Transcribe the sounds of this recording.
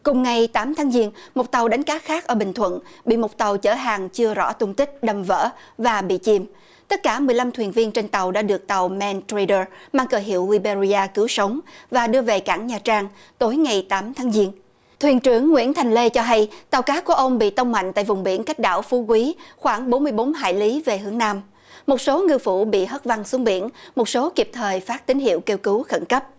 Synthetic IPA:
kʊ˨˩ŋ͡mŋa˨˩jt̪aː˨˦mt̪ʰaː˨˦ŋzi˧ənmo˨˩t̚t̪a˨˩wɗa˨˦jŋ̟kaː˨˦xaː˦˥k̚ʔəː˧˩ɓï˨˩ŋ̟t̪ʰwə̰˧˨nɓḭ˧˨mo˨˩t̚t̪a˨˩wt͡ɕəː˧˩ɦaː˨˩ŋt͡ɕɨ˧əzɔ̰˧˥t̪ʊ˧ŋ͡mt̪ï˦˥k̟̚ɗə˨˩mvə̰ː˧˥ | vaː˨˩ɓḭ˧˨t͡ɕi˧m | t̪ə˦˥t̚kaː˧˩mɨ˨˩əjla˧mt̪ʰwi˨˩ənvi˧ənt͡ɕe˧nt̪a˨˩wɗa̰ː˧˥ɗɨ˨˩ək̚t̪a˨˩wmɛ˧nt̪ɾi˧ɗəː˧˩maː˧ŋkəː˨˩jɦḭ˧˨əwli˧ɓe˧zi˧ʔaː˧kɨ˨˦wsə˨˦wŋ͡mvaː˨˩ɗɨ˧əve˨˩ka̰ː˧˩ŋɲaː˨˩t͡ɕaː˧ŋ | t̪o˨˦jŋa˨˩jt̪aː˨˦mt̪ʰaː˨˦ŋzi˧ən | t̪ʰwi˨˩ənt͡ɕɨ˧˩əŋːwḭ˧˥ənt̪ʰa˨˩jŋ̟le˧t͡ɕɔ˧ɦa˧jt̪a˨˩wkaː˨˦ku˧˩əʔə˧wŋ͡mɓḭ˧˨t̪ə˧wŋ͡mma̰˧˨jŋ̟t̪a̰ː˧˨jvʊ˨˩ŋ͡mɓi˧˩ənka˦˥k̟̚ɗa̰ː˧˩wfu˨˦kwi˨˦xwaː˧˩ŋɓo˨˦nmɨ˧əjɓo˨˦nɦa̰ː˧˨jli˨˦ve˨˩hɨ˨˦əŋnaː˧m | mo˨˩t̚so˨˦ŋɨ˧fṵ˧˩ɓḭ˧˨ɦəː˦˥t̚va˧ŋsu˨˦əŋɓḭ˧˩˨ənmo˨˩t̚so˨˦ki˨˩p̚t̪ʰəː˨˩jfaː˦˥t̚t̪ï˨˦ŋ̟ɦḭ˧˨wke˧wkɨ˨˦wxə˧˩nkə˦˥p̚

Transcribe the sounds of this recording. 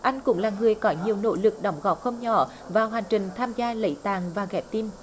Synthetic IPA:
ʔa˧jŋ̟kʊ̰˧˥ŋ͡mlaː˨˩ŋɨ˨˩əjkɔ˨˦ɲi˨˩əwno̰˧˥lɨ˨˩k̚ɗɔ˨˦wŋ͡mɣɔ˨˩p̚xə˧wŋ͡mɲɔ̰˧˦ | vaː˨˩wɦaː˨˩ŋ̟t͡ɕï˨˩ŋ̟t̪ʰaː˧mzaː˧lə̰˧˥jt̪aː˨˩ŋvaː˨˩ɣɛ˨˩˥p̚t̪i˧m

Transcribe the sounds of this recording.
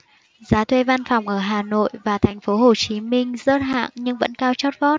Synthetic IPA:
zaː˨˦t̪ʰwe˧va˧nfɔ˨˧˩wŋ͡mʔəː˧˩ɦaː˨˩no̰˧˨jvaː˨˩t̪ʰɛ˨˩ŋ̟fo˨˦ɦo˨˩t͡ɕi˨˦mï˧ŋ̟zəː˦˥t̚ɦa̰ː˧˨ŋɲɨ˧ŋvə̰˧˥nkaː˧wt͡ɕɔ˦˥t̚vɔ˦˥t̚

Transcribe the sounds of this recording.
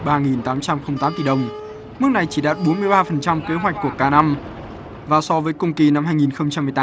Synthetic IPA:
ɓaː˧ŋi˨˩nt̪aː˨˦mt͡ɕa˧mxə˧wŋ͡mt̪aː˨˦mt̪i˧˩ɗə˨˩wŋ͡m | mɨ˦˥ək̚na˨˩jt͡ɕi˧˩ɗa̰ː˨t̚ɓo˨˦nmɨ˧əjɓaː˧fə˨˩nt͡ɕa˧mke˨˦ɦwa˨˩k̟̚ku˧˩əkaː˧na˧m | vaː˨˩sɔ˧vəː˨˦jkʊ˧wŋ͡mki˨˩na˧mhaː˧ŋi˨˩nxə˧wŋ͡mt͡ɕa˧mːɨ˨˩jt̪aː˨˦

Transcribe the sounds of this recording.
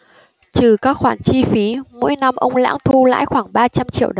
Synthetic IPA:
t͡ɕɨ˨˩kaː˦˥k̚xwaː˧˩nt͡ɕi˧fi˨˦mo̰˧˥jna˧mʔə˧wŋ͡mla̰ː˧˥ŋt̪ʰu˧la̰ː˧˥jxwaː˧˩ŋɓaː˧t͡ɕa˧mt͡ɕḭ˧˨əwɗə˧˨

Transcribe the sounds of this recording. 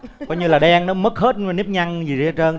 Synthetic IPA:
kɔː˧jɲɨ˧laː˨˩ɗɛ˧ŋnɔ˨˦mə˦˥k̚he˦˥t̚n˨˦ni˦˥p̚ɲa˧ŋzi˨˩ze˨˦t͡ɕə˧n

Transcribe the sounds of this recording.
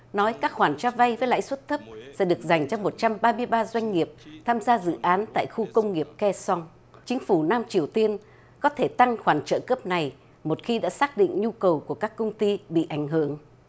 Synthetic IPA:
nɔ˨˦jkaː˦˥k̚hwaː˧˩nt͡ɕaː˧va˧jvəː˨˦jla̰ː˧˥jswə˦˥t̚t̪ʰə˦˥p̚sɛ̰˧˥ɗɨ˨˩ək̚za˨˩jŋ̟t͡ɕɔ˧mo˨˩t̚t͡ɕa˧mɓaː˧mɨ˧əjɓaː˧zwa˧jŋ̟ŋi˨˩əp̚t̪ʰaː˧mzaː˧zɨ̰˧˨ʔaː˨˦nt̪a̰ː˧˨jxu˧kə˧wŋ͡mŋi˨˩əp̚kɛ˧sɔ˧wŋ | t͡ɕï˨˦ŋ̟fu˧˩naː˧mt͡ɕi˨˩əwt̪i˧ən | kɔ˨˦t̪ʰe˧˩t̪a˧ŋxwaː˧˩nt͡ɕə̰ː˧˨kəː˦˥p̚na˨˩j | mo˨˩t̚xi˧ɗa̰ː˧˥saː˦˥k̚ɗḭ˧˨ŋ̟ɲu˧kə˨˩wku˧˩əkaː˦˥kːə˧wŋ͡mt̪i˧ɓḭ˧˨ʔa˧˩jŋ̟ɦɨ˧˩əŋ

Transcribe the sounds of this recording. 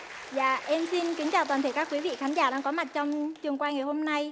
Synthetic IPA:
za̰ː˧˨ʔɛ˧msi˧nkï˨˦ŋ̟t͡ɕaː˨˩t̪aː˨˩nt̪ʰə˧˩kaː˦˥kwi˨˦vḭ˧˨xaː˨˦nzaː˧˩ɗaː˧ŋkɔ˨˦ma˨˩t̚t͡ɕɔ˧wŋ͡mt͡ɕɨ˨˩əŋkwaː˧jŋa˨˩ho˧mna˧j

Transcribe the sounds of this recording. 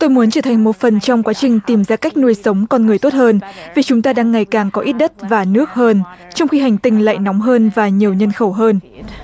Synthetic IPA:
t̪o˧jmu˨˦nt͡ɕəː˧˩t̪ʰa˨˩ŋ̟mo˨˩t̚fə˨˩nt͡ɕɔ˧wŋ͡mkwaː˨˦t͡ɕï˨˩ŋ̟t̪i˨˩mzaː˧ka˦˥k̟̚nu˧əjsə˨˦wŋ͡mkɔ˧nŋɨ˨˩əjt̪o˦˥t̚həː˧nvi˨˩t͡ɕʊ˨˦ŋ͡mt̪aː˧ɗaː˧ŋːa˨˩jkaː˨˩ŋkɔ˨˦ʔi˦˥t̚ɗə˦˥t̚vaː˨˩nɨ˦˥ək̚həː˧nt͡ɕɔ˧wŋ͡mxi˧ɦa˨˩jŋ̟t̪ï˧˩ŋ̟la̰ː˧˨jnɔ˨˦wŋ͡mɦəː˧nvaː˨˩ɲi˨˩əwɲə˧nxə˧˩wɦəː˧n

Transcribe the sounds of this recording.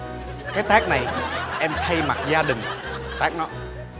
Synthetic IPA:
kaː˦jt̪aː˦˥k̚na˨˩jʔɛ˧mt̪ʰa˧jma˨˩t̚zaː˧ɗï˨˩ŋ̟ | t̪aː˦˥k̚nɔ˨˦

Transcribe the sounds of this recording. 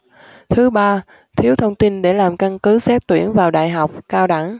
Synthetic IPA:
t̪ʰɨ˨˦ɓaː˧ | t̪ʰi˨˦əwt̪ʰə˧wŋ͡mt̪i˧nɗe˧˩laː˨˩mka˧nkɨ˨˦sɛ˦˥t̚t̪wi˧˩ənvaː˨˩wɗa̰ː˧˨jɦa˨˩wk͡p̚kaː˧wɗa˧˩ŋ

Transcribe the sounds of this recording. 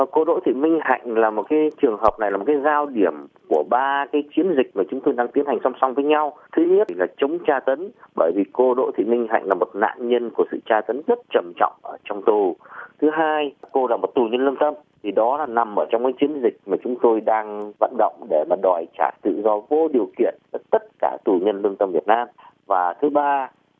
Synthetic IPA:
ko˧ɗo̰˧˨˥t̪ʰḭ˧˨mï˧ŋ̟ɦa̰˧˨jŋ̟laː˨˩mo˨˩t̚kaː˨˦jt͡ɕɨ˨˩əŋɦəː˨˩p̚na˨˩jlaː˨˩m˨˩tka˨˦jzaː˧wɗi˧˩əmku˧˩əɓaː˧kaː˨˦jt͡ɕi˨˦ənzï˨˩k̚maː˨˩t͡ɕʊ˨˦ŋ͡mt̪o˧jɗaː˧ŋt̪i˨˦ənha˨˩ŋ̟sɔ˧wŋ͡msa˧wŋ͡mvəː˨˦jɲa˧wt̪ʰɨ˨˦ɲ˦˥laː˨˩t͡ɕə˨˦wŋ͡mt͡ɕaː˧t̪ə˨˦nɓəː˧˩jvi˨˩ko˧ɗo̰˧˨jt̪ʰḭ˧˨mï˧ŋ̟ɦa̰˧˨jŋ̟laː˨˩mo˨˩t̚na̰ː˧˨nɲə˧nku˧˩əsɨ̰˧˨t͡ɕaː˧t̪ə˨˦nzə˦˥t̚t͡ɕə˨˩mt͡ɕɔ̰˧˨wŋ͡mʔəː˧˩t͡ɕɔ˧wŋ͡mt̪u˨˩t̪ʰɨ˨˦ɦaː˧jko˧laː˨˧˩mo˨˩t̚t̪u˨˩ɲə˧nlɨ˧ənt̪ə˧m | t̪ʰi˨˩ɗɔ˨˦laː˨˩na˨˩mʔəː˧˩t͡ɕɔ˧wŋ͡mkaː˨˦jt͡ɕi˨˦ənzï˨˩k̚maː˨˩t͡ɕʊ˨˦ŋ͡mt̪o˧jɗaː˧ŋva̰ː˧˨nɗə̰˧˨wŋ͡mɗe˧˩maː˨˩ɗɔ˨˩jt͡ɕa̰ː˧˩t̪ɨ̰˧˨zɔ˧vo̰˧˥ɗi˨˩əwkḭ˧˨ənvəː˨˦jt̪ə˦˥t̚ka̰ː˧˩t̪u˨˩ɲə˧nlɨ˧əŋt̪ə˧mvi˨˩ət̚naː˧m | vaː˨˩t̪ʰɨ˨˦ɓaː˧

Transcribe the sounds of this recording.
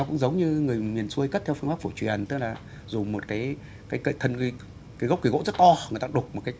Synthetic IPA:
ɔ˨˦kʊ̰˧˥ŋ͡mzə˨˦wŋ͡mɲɨ˧ŋɨ˨˩əjmi˨˩ənsu˧əjkə˦˥t̪ʰɛ˧wfɨ˧əŋɓaː˦˥k̚fo˧˩t͡ɕwi˨˩ənt̪ɨ˦˥k̚laː˨˩ | zʊ˨˩mo˨˩t̚kaː˨˦j | kaː˨˦jkə̰˧˨jt̪ʰə˧˩nki˨˦ | kiː˨˦ɣə˦˥k͡p̚kɣo̰˧˥zə˦˥t̚t̪ɔ˧ŋ˨˩ət̪aː˧˥ɗʊ˨˩k͡p̚m˨˩t̚kaː˨˦

